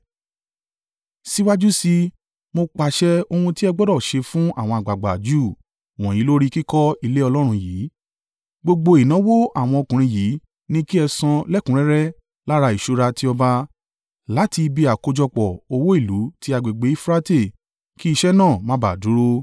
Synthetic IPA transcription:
si˦wa˦d͡ʒu˦si˧ | mo˧k͡pa˨ʃɛ˦o˧ũ˧ti˦ɛ˧ɡ͡bɔ˦dɔ˦˨ʃe˧fũ˦a˦˨w̃ɔ̃˧a˨ɡ͡ba˨ɡ͡ba̰˨d͡ʒu˦˨ | w̃ɔ̃˨jĩ˨˦lo˦ɾi˦ki˦kɔ˦i˧le˦ɔ˧lɔ˦ɾ̃ũ˧jiː˨˦ | ɡ͡bo˧ɡ͡bo˧i˨nã˨˦wo˦ʔa˦˨w̃ɔ̃˧o˧kũ˨ɾ̃ĩ˧jiː˨˦ | nĩ˦ki˦ɛ˧sã˧lɛ˦kũ˨ɾ̃ɛ̃˦ɾɛ˦ | la˦ɾa˧i˨ʃo˧ɾa˧ti˦ɔ˧ba˧ | la˨˦ti˧bi˧a˨ko˧d͡ʒɔ˧k͡pɔ˨o˧wo˦i˦˨lu˨˦ti˦a˧ɡ͡be˨ɡ͡be˨˦i˦fɾa˦te˦˨ | ki˦i˧ʃɛ˦nãː˦˨mã˨˦ba˨du˨˦ɾo˦

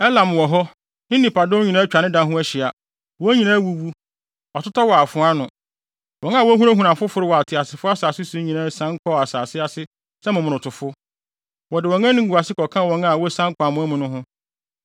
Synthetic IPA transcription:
ɛ˦lã˨m˨wɔ˨ɦɔ˦ | nɪ̃˦nĩ˨pʰa˨dɔ̃˦ɲĩ˨nã˦t͡ɕᶣa˨nɪ̃˦dã˦ɦʊ̃˦ɛ˦ɕɪ˨a˨ | wɔ˦ɲĩ˨nã˦wu˦wu˦ | wa˨tʊ˦tʰɔ˦wɔ˨a˨fʊ̃˨˦a˦nʊ̃˨ | wɔ̃˨n˦a˦˨wɔ˦ɦũ˦a˦ɦũ˨nã˨fʊ˦fʊ˨ɾɪ˦wɔ˨a˨tʰɪ˨a˨sɪ˨fʊ˦a˦saː˨sɪ˦sũ˨˦ɲĩ˨nã˦sã˦ŋ˦kʰɔ˦˨a˨saː˨sɪ˦a˨sɪ˦ | sɛ˦mʊ̃˨mʊ̃˨ɾʊ̃˨tʰʊ˨fʊ˦ | wɔ˨dɪ˨wɔ̃˨ŋ˦ã˦nɪ̃˦ɡu˨a˨sɪ˦kɔ˨kʰã˦˨wɔ̃˨˦nã˦˨wɔ˦sã˦ŋ˦kʰʷa˨mʊ̃˦ɛ˦mʊ̃˨nʊ̃˦ɦʊ̃˦

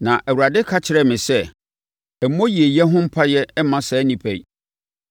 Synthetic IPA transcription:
nã˨ʔæ˨wu˨ɾa˨dɪ˦kʰa˦t͡ɕʰɪ˨ɾɛ˨mɪ̃˨sɛ˦ | ɛ˨m˨˦mõ˦ji˨e˨jɛ˦ɦʊ̃˦m̩˦pʰa˦jɛ˦mã˦sɛː˨˦nĩ˨pʰæ˨i˨

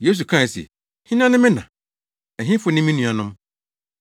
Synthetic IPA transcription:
je˦s̬u˨kʰã˦˨sḛ˨ | hĩ˦ñ˦ã˦nɪ̃˦mɪ̃˦nã̰˨ | ɛ˨ɦĩ˦fʊ˨˦nɪ̃˦mĩ˦nũ˨a˨nʊ̃˦m

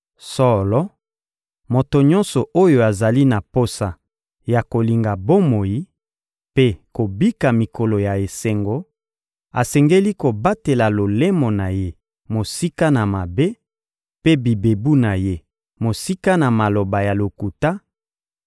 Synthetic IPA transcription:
sɔ˦lɔ˦ | mo˨to˨ɲɔ˦nsɔ˨ʔo˦jo˨a˨za˨li˦na˨po˦sa˨ | ja˨ko˨li˨ŋɡa˨bo˦mo˨ji˦ | pe˦ko˨bi˦ka˨mi˨ko˨lɔ˨ja˨e˨se˨ŋɡo˦ | a˨sɛ˨ŋɡe˦li˦ko˨ba˦te˨la˨lo˨le˦mo˨na˨je˦ | mo˨si˦ka˦na˨ma˨be˦ | pe˦bi˨be˨bu˦na˨je˦ | mo˨si˦ka˦na˨ma˨lo˨ba˨ja˨lo˨ku˨ta˦

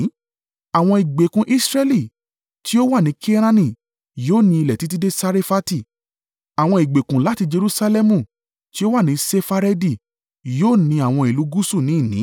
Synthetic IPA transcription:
a˨w̃ɔ̃˧i˨ɡ͡be˨kũ˧ʔi˦sɾe˦li˦˨ | ti˦o˦wa˦˨nĩ˨˦kʰi˦e˦ɾ̃ã˦nĩ˦˨ | joː˦˨nĩ˧i˧lɛ˨ti˨˦t̬i˦de˦sa˧ɾe˦fa˦ti˦˨ | a˨w̃ɔ̃˧i˨ɡ͡be˨kũ˨la˦ti˧d͡ʒe˧ɾu˦sa˧lɛ˦mũ˦˨ | ti˦o˦wa˦˨nĩ˨˦se˦fa˧ɾɛ˦di˦˨ | joː˦˨nĩ˧a˨w̃ɔ̃˧i˨lu˨˦ɡu˦su˦˨nĩ˨˦˨nĩ˨˦

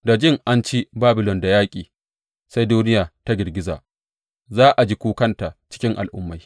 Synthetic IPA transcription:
da˨d͡ʒɪ˦ŋʔa˦nt͡ʃi˦baː˦bɪ˨lɔ˨nda˨jaː˦kʲʼiː˨ | sa˦jduː˦nɪ˦jaː˨ta˦ɡʲɪ˨ɾɡʲɪ˦za̰ː˨ | zaː˦ʔa˨d͡ʒiː˦kʷuː˦kɐ˦nta˨t͡ʃɪ̥˦kʲɪ˦ŋʔa̰˨lʔʊ̰˦mːa˨j

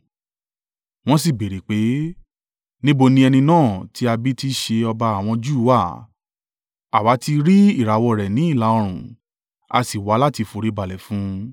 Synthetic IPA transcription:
w̃ɔ̃˦s̬i˦˨be˨ɾe˨k͡pe˨˦ | nĩ˦bo˧nĩ˧˦ɛ˧nĩ˧nãː˦˨tʰi˨˦a˧bi˦ti˦ʃe˧ɔ˧ba˧a˨w̃ɔ̃˧d͡ʒu˦wa˦˨ | a˨wa˨˦ti˧ɾi˦i˦˨ɾa˨wɔ˧ɾɛ˨nĩ˨˦i˦˨la˨˦ɔ˧ɾ̃ũ˨ | a̰˧si˨wa˨˦la˦˨ti˧fu˧ɾe˨˦ba˨lɛ˨fũ˨˦

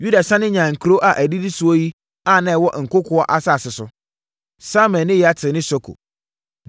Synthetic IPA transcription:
ju˦da˨sã˦nɪ̃˦ɲã˨ŋ̩˨kʰɾo˦ʔa˨ʔæ˨di˦di˦sʊ˨ɔ˦ji˦ | a˦˨nã˦˨wɔ˦ʔŋ̩˨kʊ˦kʰʊ˨˦ɔ˦ʔa˨sa˦˨sɪ˨sʊ˨ | sa˦mɛ̃˨nɪ̃˦jɛ˨a˨tʰɪ˨nɪ̃˦sɔ˦kʰo̰˨

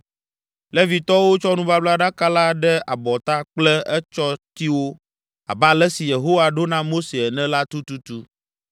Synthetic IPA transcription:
lɛ˦vi˨t̪ɔ˦wo˦t͡ʃɔ˦nũ˦va˦bla˦ɖa˦ka˦la˦ɖɛ˦a˨bɔ˨t̪a˦k͡plɛ˦ɛ˦t͡ʃɔ˦t̪i˦wo˦ | a̰˨ba˦˨lɛ˦si˨je˨ɦo˦wa˨ɖo˦nã˦mo˦se˨ɛ˨nɛ̃˦la˦t̪u˦t̪u˦t̪u˦

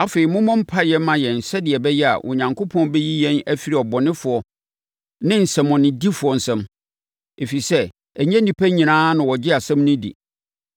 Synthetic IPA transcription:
a˦fe˨i˨mʊ̃˦mɔ̃˦m̩˦pʰa˦jɛ˦mã˨jɛ˨n̩˨sɛ˦dɪ˨ɛ˨bɛ˦jɛ˦a̰˨ʔɔ̰˨ɲã˨ŋkʰo˦pʰɔ̃˦nbɛ˦ji˦jɛ̃˦næ˦fi˨˦ɾi˨ɔ˨bɔ˨nɪ̃˦fʊ˨ɔ˦ | nɪ̃˦n̩˨sɛ̃˨mɔ̃˨nɪ̃˨di˦fʊ˨ɔ˨n̩˨sɛ̃˦m | e˨fi˨sɛ˦ | æ˨ɲɛ̃˦nĩ˨pʰæ˦ɲĩ˨nãː˦nʊ̃˨wɔ˨d͡ʑɪ˦a˨sɛ̃˦mnɪ̃˦dḭ˨

